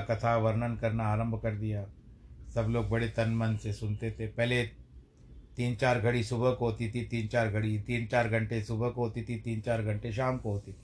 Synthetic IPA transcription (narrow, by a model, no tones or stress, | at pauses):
kɐt̪ʰaʋɐɾnənkɐɾnaːɾə̃mbʱkɐɾd̪ijasɐbloːɡ̚bɐɽet̪ɐnmənsesʊnt̪et̪ʰepɛɦle | t̪iːnt͡ʃaːɾɡʱɐɽisʊbəɦkɦoːt̪it̪ʰit̪iːnt͡ʃaːɾɡʱɐɽit̪iːnt͡ʃaːɾɡʱɐ̃ɳʈesʊbʱəkɦoːt̪it̪ʰit̪iːnt͡ʃaːɾɡʱɐ̃ɳʈeʃ̬aːmkoɦoːt̪it̪ʰi